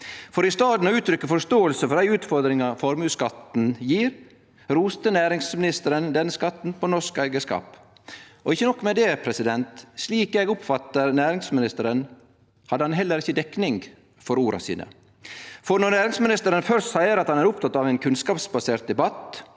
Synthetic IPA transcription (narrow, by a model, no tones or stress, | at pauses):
fɔɾɪst̪ɑːd̪nɔʉːt̪ʰɾʏkːəfɔɾʂt̪oːəlsəfɔɾd̪æɪʉːt̪fɔɾd̪ɾɪŋɑfɔɾmʉːskɑt̪n̩jiːɾ | ɾuːst̪ənæːɾɪŋsmɪnɪst̪əɾənd̪ɛnːəskɑt̪ːn̩pɔnɔʂkæɪɡəskɑ̰ːp | ɔɪçːənɔkːmɛd̪ɛːpʰɾɛsɪd̪ɛnt̪sliːkeɡʊpfɑt̪ːəɾnæːɾɪŋsmɪnɪst̪əɾən | hɑd̪əhɑnɦɛlːəɾɪçːəd̪ɛknɪŋɡ | fɔɾuːɾʔɑ̰sḭːnə̰ | fɔɾnɔnæːɾɪŋsmɪnɪst̪əɾənfœɾssæɪəɾɑt̪hɑnæɾʊpt̪ʰɑt̪ːɑʋæɪnkʰʉnskɑːpsbɑseːɾt̪̚d̪ɛbɑt̪